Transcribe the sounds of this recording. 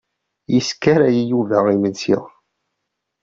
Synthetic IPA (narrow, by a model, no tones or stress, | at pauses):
jiskːæɾæjijuvæʁimənsḭʁ